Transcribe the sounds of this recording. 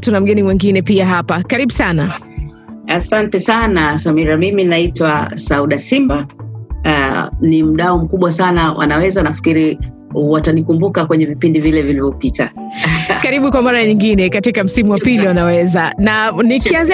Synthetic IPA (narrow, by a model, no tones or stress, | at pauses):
tunam̩ɠɛnimwɛŋɡinɛpiaɦapakaɾiɓusana | asantɛsanasamiɾamiminaitwasauɗasimba | nim̩ɗaɔm̩kuɓwasanawʔa̰nawɛzanafi̥kiɾi | watanikumbukakwɛɲɛvipindivilɛvilivɔpita | kaɾiɓukwamaɾaɲiŋɡinɛkatikam̩simuwapiliwanawɛzananikianz